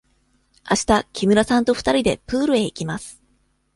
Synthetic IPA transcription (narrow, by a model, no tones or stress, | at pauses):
aɕi̥t̪akʲʰimɯ̟ɾasãnt̪o̞ɸɯ̥t̪aɾʲid̪e̞pɯ̟ːɾɯ̟e̞ikʲimasɨ̥